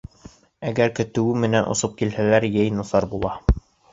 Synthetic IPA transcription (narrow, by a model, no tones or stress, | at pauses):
æɡæɾkɵ̆t̪ɘ̆wɘmɘ̆nænʔŏ̰sɤp̚kilhælæɾjæjnɑsɑɾbulˠɑ